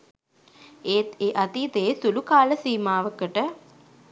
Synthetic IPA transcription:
eːt̪eːʔat̪iːt̪eːsulukaːləsiːmaːʋəkəʈə

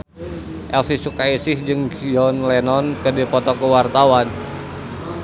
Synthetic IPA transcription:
ʔɛlfisukaisɪhd͡ʒɨŋɡiɔnlɛnɔnkədipɔt̪ɔkəwart̪awan

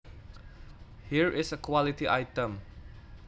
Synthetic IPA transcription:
hiɹʔɪsəkʰwɔlitiʔaɪtə̃m

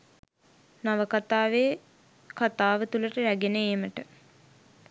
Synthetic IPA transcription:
naʋəkat̪aːʋe | kat̪aːʋət̪uləʈəɾæɡenəeːməʈə

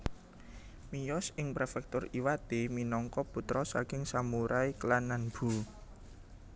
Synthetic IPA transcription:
mijɔsɪŋpɾefɛk̚t̪ʊriwat̪eminɔŋkɔput̪ɾɔsakɪŋsamuɾʔaiklanːanb̥ṳ

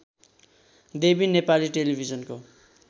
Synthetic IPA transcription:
d̪ebinepaliʈelibʱid͡zʌnko

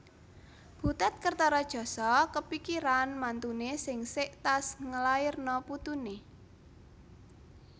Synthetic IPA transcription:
b̥ṳt̪ɛt̪̚kərt̪ɔɾɔd̥ʒ̥ɔ̤sɔkəpikiɾanmant̪unesɪŋsɪʔt̪asŋəlaɪrnɔput̪une

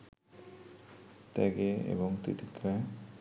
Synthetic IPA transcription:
t̪ɛɡeḛbɔŋt̪it̪ikʰːa

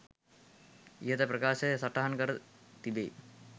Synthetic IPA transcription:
ijɐt̪ɐpɾɐkaːʃɐsɐʈːɐɦɐnkɐɾt̪id̪ḛ

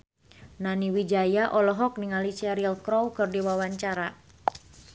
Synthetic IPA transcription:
naniwid͡ʒajaʔɔlɔɦɔk̚niŋalit͡ʃɛɾilkɾɔwkɨrdiwawaɲt͡ʃaɾa

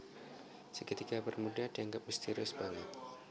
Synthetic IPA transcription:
səkət̪ikabərmudahdiaŋɡap̚əst̪iɾʊsəbaŋɪt̪̚

